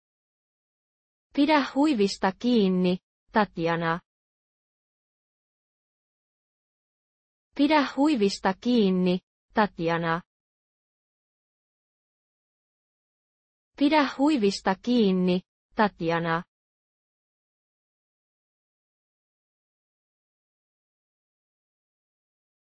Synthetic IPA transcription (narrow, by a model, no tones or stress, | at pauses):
piɾæhːuiʋist̪ɑkiːnːi | ɑt̪jɑnɑ | piɾæhːuiʋist̪ɑkiːnːi | t̪ɑt̪jɑnɑ | piɾæhhuiʋist̪ɑkiːnːi | t̪ɑt̪jɑnɑ